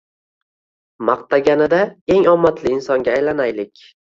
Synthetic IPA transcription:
mɑq̚t̪ʰaɡʲanɪd̪ae̞ŋɒmːat̪ʰlɪɪnsɒŋɡʲaːjlanajlɪkʲ

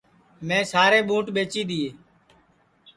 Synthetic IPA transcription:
mɛ̃ːsaːɾeːɓũːʈɓeːt͡ʃiːɗ̪ɪːeː

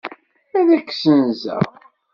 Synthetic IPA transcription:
æðækːsənzæ̰

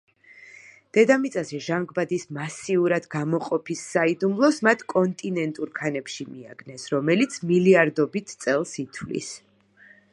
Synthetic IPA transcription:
d̪̥ɛd̪amit̪sʼazɛʒaŋɡbad̪ismasiuɾad̪ɡamɔqʼɔpʰisːaid̪umlˠɔsmat̪ʰkʼɔnt̪ʼinɛnt̪ʼuɾkʰanɛpʃimia̰ɡnɛsɾɔmɛlit̪sʰmiliaɾd̪ɔbit̪ʰt̪sʼɛlˠsit̪ʰwlḭs

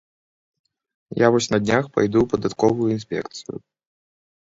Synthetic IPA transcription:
javɔsʲnɐd̪ʲnʲaxpa̰jd̪upɐd̪at̪kɔvujuins̬ʲpʲɛ̰kt̪sɨjʊ̰

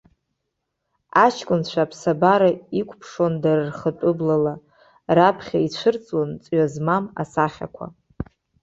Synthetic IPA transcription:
at͡ʃʰkʷʼʊnt͡ʃʷʰapʰsabaɾaikʷʰʼpʰʂondarɨrχətʼʊblala | rapʰχʲait͡ɕʷʰɨrt͡sʼwant͡sʼɥazmama̰saχʲa̰kʷʰa̰

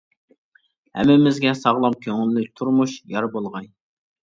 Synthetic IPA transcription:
hɛ̰mːɪmɪzɡʲɛsɑʁlˠɑmkʲʰøŋylːyk̚ʲt̪ʰuɾmuʃjɑɾbolˠʁɑj

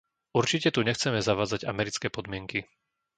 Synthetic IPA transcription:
uɾt͡ʃicɛt̪uɲɛxt͡sɛmɛzaʋaːd͡zaɟamɛɾit͡skɛːpɔd̪mɪɛŋki

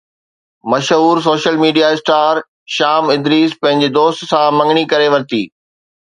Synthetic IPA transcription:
mɐʃɦuːɾs̬oːʃəlmiːɖijaɪsʈaːɾ | ʃaːmɪ̃d̪ɾiːzpɐ̃ɦɪ̃ɲ̆d͡ʑed̪oːst̪sãmɐ̃ŋɡɽ̃ikɐɾeʋɐɾt̪iː

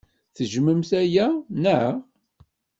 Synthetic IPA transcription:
θəʒməmθæjænə

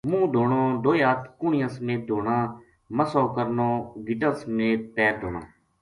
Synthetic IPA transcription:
mũːd̪ʱoːɳoːd̪oːjaːt̪kʊɳɪjãːsmẽːd̪ʱoːɳãː | məsoːkəɾnoːɡɪʈə̃ːsmẽːpɛːɾd̪ʱoːnã̰ː

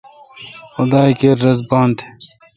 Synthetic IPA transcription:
xʊd̪ɑːjkeɾːɐzbɑːnt̪ʰe̥

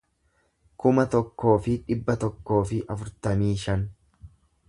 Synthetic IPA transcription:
kʊmɐt̪ɔkːo̞ːfɪᶑɪbːɐt̪ɔkːo̞ːfɪʔɐfʊɾt̪ɐmiːʃɐn

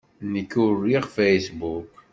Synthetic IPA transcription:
nəkːʊrːiʁfejsbuk

